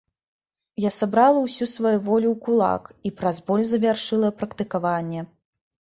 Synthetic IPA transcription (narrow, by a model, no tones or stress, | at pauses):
jasabɾalˠɐwsʲusvajuvɔlʲuwkulˠa̰kipɾazbɔlʲzɐvʲarʂɨlˠɐpɾɐkt̪ɨkavanʲːɛ